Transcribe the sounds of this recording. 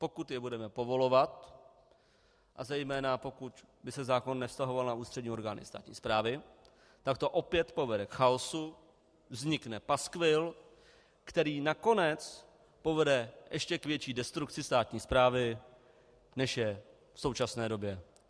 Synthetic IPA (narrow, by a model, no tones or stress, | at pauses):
po̞kut̪jɛbudɛmɛpo̞vo̞lo̞vat̪̚ | ʔa̰zɛjmɛːnapo̞kut̪ | bɪsɛzaːko̞nːɛfst̪aɦo̞valnauːst̪r̥ɛdɲiːo̞ɾɡaːnɪ̰st̪a̰ːt̪ɲḭːspɾaːvɪ | t̪akt̪o̞ʔo̞pjɛt̪po̞vɛdɛkxaosu | vzɲɪknɛpaskvɪl | kt̪ɛɾiːnako̞nɛt͡s | po̞vɛdɛʔɛʃcɛkvjɛt͡ʃiːdɛst̪ɾuk̚t͡sɪst̪aːt̪ɲiːspɾaːvɪ | nɛʃjɛ | fso̞wt͡ʃasnɛːdo̞bjɛ